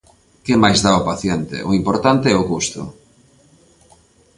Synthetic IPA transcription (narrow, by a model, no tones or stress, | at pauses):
kemajzðaʊpaθjɛnt̪ɪ̰ʔʊimpoɾt̪ant̪eɛʊkust̪ʊ̰